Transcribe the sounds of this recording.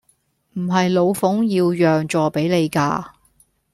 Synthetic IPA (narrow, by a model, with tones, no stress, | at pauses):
m̩˨˩ɦɐ˨jlo˨˧wfʊ˨˥ŋjiː˧wjœː˨ŋt͡ʃɔː˨˧pe˨˥jle˨˧jka̰ː˧